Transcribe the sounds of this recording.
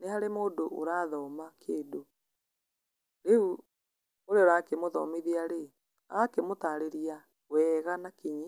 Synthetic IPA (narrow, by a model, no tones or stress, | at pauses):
nehaɾemoːndoʔo̰ɾaːðɔːmakʰeːdo | ɾeu | oɾeoɾaːkemoðɔ̰miðiaɾe | akemotaːɾeɾia | wɛɣanakeɲi